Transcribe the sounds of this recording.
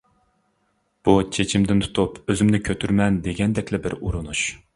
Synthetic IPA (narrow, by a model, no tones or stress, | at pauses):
b̥ut͡ʃʰet͡ʃʰimd̪ɪnt̪ʰu̥t̪ʰupøzɪmnɪkʲʰøt̪ʰyɾmɛnd̪eɡʲɛnd̪ɛkʲlɪbɪɾuɾunuʃ